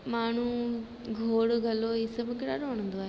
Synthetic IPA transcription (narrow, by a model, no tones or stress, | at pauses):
maːɳ̤ũ | ɡʱoːɽɡʱɐloːɦisɐbkeːɽaːɽoʋɽ̃ə̃nd̪oaːɦe